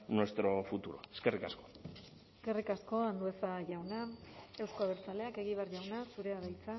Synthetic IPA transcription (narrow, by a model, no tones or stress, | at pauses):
nwest̪ɾo̞fut̪uɾo̞̰eske̞rikasko̞ | eske̞rikasko̞and̪ue̞saʝawnae̞wskoaβ̞eɾt͡sale̞ake̞ɣ̞iβeaɾʝawnasuɾe̞aðajt͡sa